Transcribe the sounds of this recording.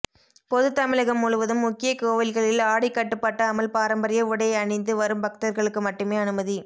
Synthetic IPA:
pɔðɯt̪ːɐmɪɻɐɣɐmːʊɻʊʋɐðɯmːʊkːɪjɐkoːʋɐlɣɐɭɪlaːɽɪkːɐʈːɯpːɐʈːɐːmɐlpaːɾɐmbɐɾɪjɐʊɽɐjɐɐɳɐɪnd̪ɯʋɐɾɯmbɐk̚t̪ɐɾɣɐɭɯkːɯmɐʈːɯmeːɐnɯmɐði

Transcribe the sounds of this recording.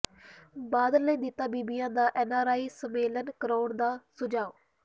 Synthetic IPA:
baːd̪əlːəːd̪ɪt̪ːaːbiːbɪjãːd̪aːʔɛːnaːɾaːiːsəmeːlənkəɾoːnd̪aːsʊd͡ʒaːoː

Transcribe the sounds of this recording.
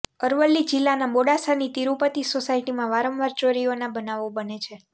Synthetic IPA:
əɾʋəlːid͡ʒilːanamoɽasanit̪iɾupət̪isosaiʈimãʋaɾə̃mʋaɾt͡ʃoɾionabənaʋobənet͡ʃʰe

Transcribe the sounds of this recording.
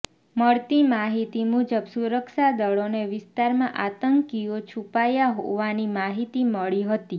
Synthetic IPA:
məɭt̪imaɦit̪imud͡ʒəbsuɾəkʃad̪əɭoneʋɪst̪aɾmãʔat̪əŋkiot͡ʃʰupajaɦo̰ʋanimaɦit̪iməɭiɦət̪i

